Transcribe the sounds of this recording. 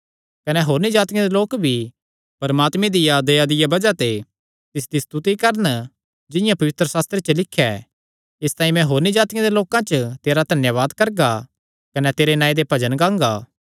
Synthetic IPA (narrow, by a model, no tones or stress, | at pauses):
kɐnɛɦoːɾnid͡ʒaːt̪ɪjãd̪eloːkbʱi | pɐɾmaːt̪mẽd̪ɪjad̪ɐjad̪ɪjabɐd͡ʒat̪e | t̪ɪsd̪ist̪ut̪ikɐɾən | d͡ʒɪjãpɐʋɪt̪ɾəsaːst̪ɾet͡ʃəlɪkʰːɛ | ɪst̪ãːĩmɛ̃ɦoːɾnid͡ʒaːt̪ɪjãd̪eloːkãt͡ʃət̪eːɾad̪ʱɐnjaʋaːd̪kɐɾɡa | kɐnɛt̪eːɾenãːĩd̪epɐd͡ʒənɡãːŋɡaː